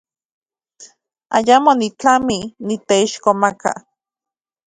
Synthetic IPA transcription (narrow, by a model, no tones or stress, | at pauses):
a̰jamonit͡ɬaminit̪eiʃkomaka̰